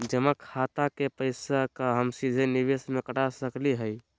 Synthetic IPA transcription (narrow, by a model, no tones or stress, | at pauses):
d͡ʒəmakʰat̪akepəɪsakaɦəmsid͡ʒ̪ʱeniʋesmekəʈasəkliɦəj